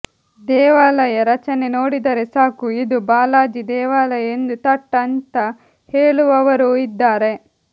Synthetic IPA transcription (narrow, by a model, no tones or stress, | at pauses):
d̪ɛːʋaːlɐjɐɾɐt͡ʃɐne̞no̞ːɽid̪ɐɾe̞saːkuid̪ubaːlaːd͡ʒid̪ɛːʋaːlɐje̞nd̪ut̪ɐʈːɐnt̪ɐ | heːɭuʋɐʋɐɾuid̪ːaːɾe̞